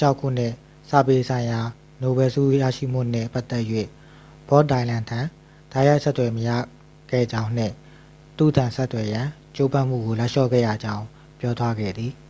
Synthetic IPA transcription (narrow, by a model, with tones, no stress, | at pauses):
t͡ɕʰa˦ʊkʰːṵ˦˨n̥ɪ˦˨ | sä̰˦˨pe˦sʰã˨ɪ̃ja˨ | no˨bɛ˨sṵ˦˨ja̰˦˨ʃḭ˦˨m̥ṵ˦˨nɪ̰˦˨pa˦t̪ːɛ˦ʔjwḛ˦˨ | b̥ɔ˦t̚dã˨ɪ̃lã˨ntʰã˨ | d̥a˦ja˦ɪʔsɛ˦t̪wɛ˨məja̰˦˨ | ɡ̥ɛ̰˦˨d͡ʑã˦ʊ̃n̥ɪ̰̃˦˨ | t̪ṵ˦˨tʰã˨nsɛ˦t̪ːwɛ˨jã˨ | t͡ɕo˦pã˦˨m̥ṵ˦˨ɡo˨la˦ʔʃɔ̰˦˨ɡɛ̰˦˨jä̰˦˨d͡ʑã˦ʊ̃ | pjɔ˦t̪wa˦ɡɛ̰˦˨d̪ði˨